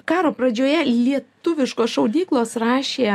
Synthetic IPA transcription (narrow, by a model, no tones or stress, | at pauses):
kɑːɾoːpɾɐd͡ʒʲoːjɛlʲiɛt̪ʊʋʲɪʃkoːsʃɐʊd̪ʲiːklˠoːsrɑːʃʲeː